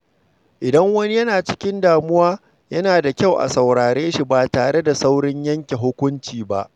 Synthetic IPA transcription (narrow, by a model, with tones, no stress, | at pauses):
ʔɪ˨dɐ˦ŋwɐ˦ni˦jɐ˦naː˨t͡ʃɪ̥˦kʲɪ˦ndaː˨mʊ˦waː˦ | jɐ˦naː˨da˨kʲa˦wʔa̰˨sɐ˨wɽaː˨ɽeː˦ʃi˨baː˨taː˨ɽe˦da˨sa˦wɽɪ˦ɲjɐ˦ŋkʲe˨ɦʊ˦kʷʊ˦nt͡ʃiː˨ba̰˦ʔ